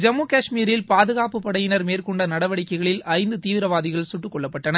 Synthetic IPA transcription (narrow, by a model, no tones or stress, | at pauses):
d͡ʒɐmːuːkaːʂmiːɾɪlpaːðɯɣaːpɯpːɐɽɐjɪnɐɾmeːrkɔɳɖɐnɐɽɐʋɐɽɪkːɐɪɣɐɭɪlɐɪnd̪ɯt̪iːʋɪɾɐʋaːðɪɣɐɭsʊʈːɯkːɔɭːɐpːɐʈːɐnɐ